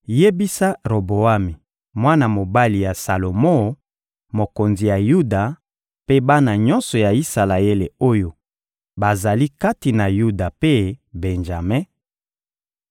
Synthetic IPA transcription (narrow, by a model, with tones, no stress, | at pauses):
je˦bi˦sa˦ʁo˨bo˨a˦mi˨ | mwa˦na˨mo˨ba˦li˨ja˨sa˨lo˨mo˦ | mo˨ko˨nzi˨ja˨ju˦da˨ | pe˦ba˦na˨ɲɔ˦nsɔ˨ja˨i˦sa˨la˨e˦le˨o˦jo˦ | ba˨za˨li˦ka˦ti˨na˨ju˦da˨pe˦be˨nʒa˨me˦